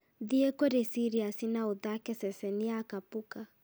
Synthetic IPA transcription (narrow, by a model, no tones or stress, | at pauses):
ðiekoɾesiɾiasinauðakɛsɛsɛniakapuka